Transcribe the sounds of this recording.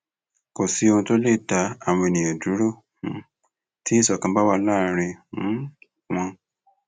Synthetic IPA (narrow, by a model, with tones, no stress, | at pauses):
ko˨si˧o˧ũ˧to˦le˦˨da˧˦ã˨˧e˨˧˨nĩ˨ã˨du˨˦ɾo˦˨˧ | ti˦i˦sɔ˨kã˧˦ba˦wa˧˦laː˦˨˦ɾe˧˦ | w̃ã˧